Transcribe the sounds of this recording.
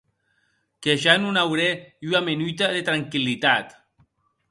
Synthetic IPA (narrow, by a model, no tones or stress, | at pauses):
keʃanunawɾeywamenujt̪̬aðet̪ɾaŋkilit̪at̪